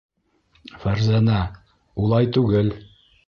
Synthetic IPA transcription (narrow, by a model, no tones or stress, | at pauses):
fæɾzænæ | ulˠɑjt̪ʉɡɘl